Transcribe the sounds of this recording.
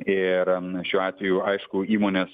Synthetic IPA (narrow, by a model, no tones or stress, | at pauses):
ɪɾʃʲuːɑːt̪ʲʋʲɛjuːʔɐɪʃkʊiːmoːnʲeːs